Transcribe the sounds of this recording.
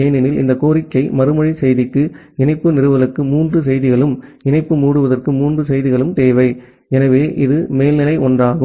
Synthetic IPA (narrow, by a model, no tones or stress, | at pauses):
ejnɪnɪlɪ̰nd̪ɐkoːɾɪkːɐɪmɐɾɯmɐɻisɛjðɪkːɯɪnɐɪpːɯnɪɾɯʋɐlɐrkːɯmuːndrɯsɛjðɪɣɐɭɯmɪnɐɪpːɯmuːɽɯʋɐðɐrkɯmuːndrɯsɛjðɪɣɐɭɯmt̪eːʋɐɪ | ɛnɐʋeːʔɪðɯmeːlnɪlɐɪʔɔndraːɣɯ